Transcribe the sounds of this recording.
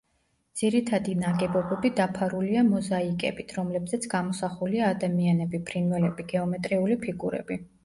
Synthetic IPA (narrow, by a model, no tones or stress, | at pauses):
d̪z̥iɾit̪ʰad̪inaɡɛbɔbɛbid̪apʰaɾuliamɔzaikʼɛ̰bit̪ʰɾɔmlɛbzɛt̪sʰɡ̥amɔsaχuliaːd̪amianɛbipʰɾinvɛlɛbiɡɛɔmɛt̪ʼɾiulipʰiɡuɾɛ̰bi